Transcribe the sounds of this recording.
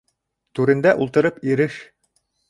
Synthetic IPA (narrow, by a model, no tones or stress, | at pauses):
t̪ʉɾɘ̆nd̪æʔulˠt̪ɤ̆ɾɤpiɾɘʃ